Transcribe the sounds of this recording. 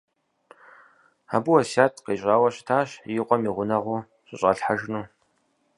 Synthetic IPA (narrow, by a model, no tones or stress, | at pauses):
a̰buwɐsaːtʰʼqeːɕʼaːwɐɕtʰaːɕjɪqʷʼɔmiːʁʷʊnɐʁuː | ɕʼɪɕʼɐɬħaʒnuː